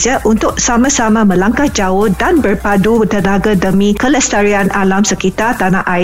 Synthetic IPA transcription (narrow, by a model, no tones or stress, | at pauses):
səʔunt̪ʊk̚samãsamãmə̃laŋkahd͡ʒaʊhdanbərpadut̪ənaɡadəmĩkələst̪aɾianalamsəkit̪art̪anaʔaɪ